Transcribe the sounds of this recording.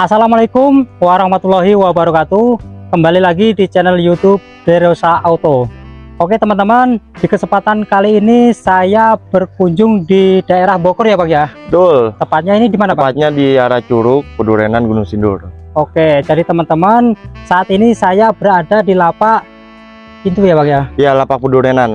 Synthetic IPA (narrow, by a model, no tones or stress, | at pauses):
ʔasalamalaikʊmwaɾahmat̪ulaɦiwabaɾukat̪ukəmbalilaɡidit͡ʃɛnəljut̪ʊb̚dɛɾosaːut̪ooket̪əmant̪əmandikəsəmpat̪ankaliːnisajab̥ərkuɲd͡ʒʊŋdidaeɾahbokɔrjabakjabət̪ʊlt̪əpat̪̚ɲainidimanaəpaat̪̚ɲadiaɾat͡ʃuɾʊk̚pəduɾenanɡunuŋsindʊroked͡ʒadit̪əmant̪əmansaʔat̪inisajabəɾadadilapaʔ | int̪ujabakjajalapak̚puduɾenan